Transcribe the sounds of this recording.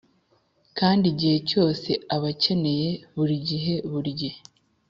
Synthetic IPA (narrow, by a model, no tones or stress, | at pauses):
kaːndiɟihe̞co̞ːse̞aβace̞ne̞je̞βuɾiɟiɦe̞βuɾɟe